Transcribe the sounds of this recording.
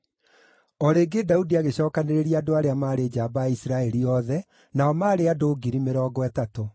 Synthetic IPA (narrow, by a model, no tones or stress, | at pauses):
ɔɾeːɡedaudiaɣeɕɔːkaneɾeɾiadoaɾeamaːɾed͡ʑaːbaisɾaɛɾiɔðɛ | naɔmaːɾeadoːɡiɾimeɾɔːɡɔɛtato